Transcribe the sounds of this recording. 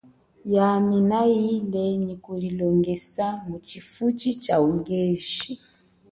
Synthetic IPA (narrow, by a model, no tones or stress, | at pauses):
jaminailɛnikulilɔŋɡɛsamut͡ʃifut͡ʃit͡ʃauŋɡɛʒi